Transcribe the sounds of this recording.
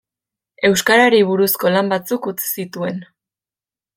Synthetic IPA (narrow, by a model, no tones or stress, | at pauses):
e̞wskaɾaɾiβuɾusko̞lambat͡sukut͡si̥sit̪ue̞n